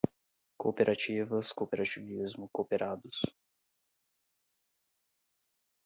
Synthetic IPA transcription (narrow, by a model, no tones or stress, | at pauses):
kopeɾʔat͡ʃivɐskopeɾat͡ʃivizmʊkopeɾʔad̪ʊs